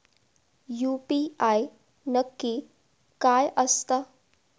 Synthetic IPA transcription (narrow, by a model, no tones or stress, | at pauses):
juːpiːaːj | nəkːi | kaːjʔɐst̪a